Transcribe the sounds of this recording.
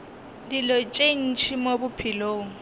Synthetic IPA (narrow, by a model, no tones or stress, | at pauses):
dilɔt͡ʃʼen̩t͡ʃʰimobʊpʰiloːŋ̩